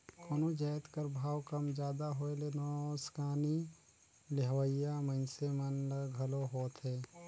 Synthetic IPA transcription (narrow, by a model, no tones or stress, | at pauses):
koːnod͡ʒaːjt̪kəɾbʱaːwkəmd͡ʒjaːd̪aɦoelenɔːskaːni | lɪɦʋəjamənsemənləɡʱəloɦoːt̪ɦɛː